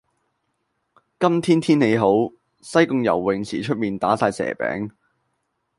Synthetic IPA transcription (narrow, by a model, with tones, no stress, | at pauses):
kɐ˥mt̪ʰiː˥nt̪ʰiː˥nne˨˧jɦo˨˥w | sɐ˥jkʊ˧ŋjɐ̰˨˩wːɪ˨ŋt͡sʰiː˨˩t͡ʃʰɵ˥t̚miː˨˧nt̪aː˨˥saː˧jsɛ̰ː˨˩pɛ̰ː˨˥ŋ